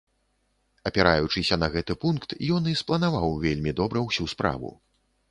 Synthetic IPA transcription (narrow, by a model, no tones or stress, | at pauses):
ɐpʲɛɾajut͡ʂɨsʲɐnɐɣɛt̪ɨpunkt̪jɔnisplˠɐnavawvʲelʲmʲid̪ɔbɾɐwsʲuspɾa̰vṵ